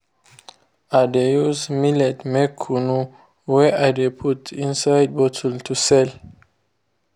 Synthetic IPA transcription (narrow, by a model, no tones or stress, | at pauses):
adejuzmilɛtmɛkʰːunu | wɛʔadepʰutʰĩnsajd̚bɔtʰɔltʰusɛl